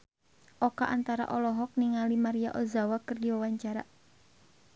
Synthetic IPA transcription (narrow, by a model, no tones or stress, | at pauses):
ʔɔka̰ʔant̪aɾa̰ʔɔlɔɦɔk̚niŋalimaɾia̰ʔɔzawakɨrdiwawaɲt͡ʃaɾa̰